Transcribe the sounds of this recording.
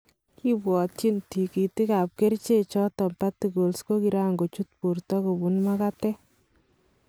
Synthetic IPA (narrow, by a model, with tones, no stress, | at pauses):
ki˦bwɔ˨tt͡ʃi˦nti˨ki˨ti˦ka˨p̚ke˦ɾt͡ʃe˦t͡ʃɔ˦tɔ˨mpa˦tu˨ɡo˨lsko˦ki˨ɾa˦ŋɡo˨t͡ʃu˦t̚pu˨ɾtɔ˦ko˨bu˨nma˦ka˦tɛ˦